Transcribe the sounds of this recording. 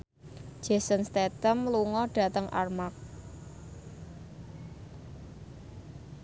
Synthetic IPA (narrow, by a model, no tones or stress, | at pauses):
d͡ʒ̥ɛ̤sənst̪et̪əmluŋɔɖ̥ä̤t̪əŋʔa̰rmak̚